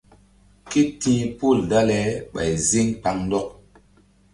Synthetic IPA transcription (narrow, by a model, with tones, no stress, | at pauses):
ki˦tĩ˦pu˦˨lda˦lɛ˨˦ɓa̰˨jzi˦ŋk͡pa˨ŋn˦dɔ˦k̚